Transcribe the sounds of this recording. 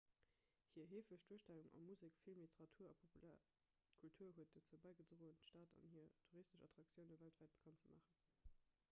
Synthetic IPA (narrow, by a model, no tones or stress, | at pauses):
hiːɐɦeːfləɕd̥uəʃtæluŋʔɑ̰muzikfilmlitʰəʁɑtʰuːɐɑpʰoul | kʰultʰuːɐɦuət̚d̥ot͡suəbæɪɡət͡soʁoːəntʃtaːtʰɑ̰nhiːɐtʰuʁistəʃɑtʁ̥ɑk̚t͡sjəʊnəvæltvæɪt̚b̥ə̥kʰɑntt͡səmʔaːχən